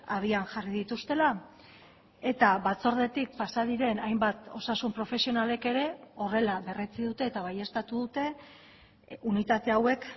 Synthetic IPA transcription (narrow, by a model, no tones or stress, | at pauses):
að̞ianʝariðit̪ust̪e̞la | e̞t̪aβat͡so̞ɾðe̞t̪ik̚pasað̞iɾe̞najmbat̪o̞sasumpɾo̞fe̞sio̞nale̞ke̞ɾe̞o̞re̞laβe̞ret͡siðut̪e̞ːt̪aβaje̞st̪at̪uðut̪e̞ | unit̪at̪e̞awe̞k